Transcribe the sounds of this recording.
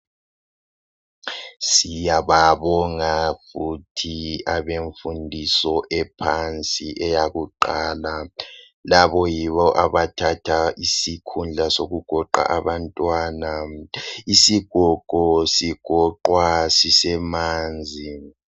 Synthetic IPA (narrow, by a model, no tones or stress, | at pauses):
sijaβaβɔŋafutʰiaβeɱfundʱisɔʔɛpʰant͡sʼiʔɛjaɣuǃaːla | laβɔjiβɔʔaβatʰatʰaʔisikʰund͡ɮʱasoɣuɡ̥ʱɔǃa̰ʔaβantʼwaːna | isiɡ̥ʱɔǃ̥ʱɔsiɡ̥ʱɔǃwasisɛmaːnd͡zʱi